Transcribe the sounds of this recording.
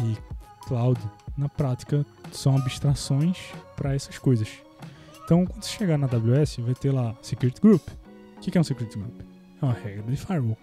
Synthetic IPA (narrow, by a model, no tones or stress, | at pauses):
ɪklawd̪ʊnɐpɾat̪i̥kɐ | sɐ̃w̃abiʃt̪ɾasõj̃spɾɐɛsɐskojzɐʃ | ẽt̪ɐ̃w̃kwɐ̃nd̪ʊse̥ʃeɡanɐd̪abljuɛsɪvajt̪elasekjuɾit̪ɡɾup | ʊkekɛũsekjuɾit̪iɡɾup | ɛũmɐhɛɡɾɐd̪ɪfaɾo